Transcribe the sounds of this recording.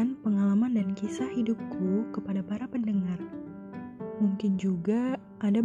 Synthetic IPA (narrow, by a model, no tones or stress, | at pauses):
npəŋalamandankisahidup̚kʰukəpadapaɾapəndəŋar | muŋkɪnd͡ʒuɡa | ʔada